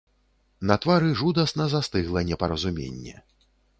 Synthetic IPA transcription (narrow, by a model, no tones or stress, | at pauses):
nɐt̪vaɾɨʐud̪ɐsnɐzast̪ɨɣlˠɐnʲɛpɐɾɐzumʲḛnʲːɛ̰